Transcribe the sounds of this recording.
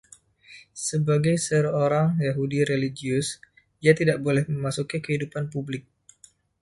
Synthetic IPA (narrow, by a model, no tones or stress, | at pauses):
səbaɡajsəɾoɾaŋjaɦudiɾeliɡiʊs | iat̪idaʔbolɛhməmasukikəɦidupanpublɪk̚